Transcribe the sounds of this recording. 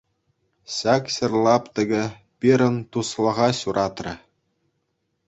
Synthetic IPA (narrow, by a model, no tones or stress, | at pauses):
ɕɑkɕɘ̆rlˠɑpt̪ɘ̆ɡʲɘ̆ | pʲiɾʲɘ̆nt̪uslˠɤ̆ʁɑɕuɾʔɑt̪rʲɘ̆